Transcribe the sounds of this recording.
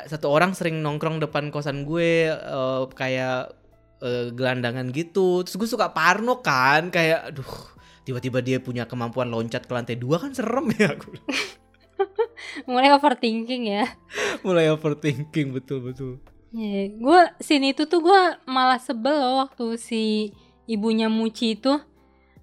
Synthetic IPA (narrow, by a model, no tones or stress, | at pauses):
sat̪uoɾaŋsəɾɪŋnɔŋkɾɔŋdəpankawasanɡueəkajaʔ | əɡəlandaŋanɡit̪ut̪ɾʊsɡuasukaʔparnokankajaʔdʊh | t̪ibat̪ibadiapuɲakəmampuanloɲt͡ʃat̪̚kəlant̪ajduakansərəmjaɡu | mulajofərt̪iŋkɪŋjamulajofərt̪iŋkɪŋbət̪ʊlbət̪ʊl | aɡuasiniit̪ut̪uɡuamalahsəbəlowak̚t̪usiː | buɲamut͡ʃit̪ʊ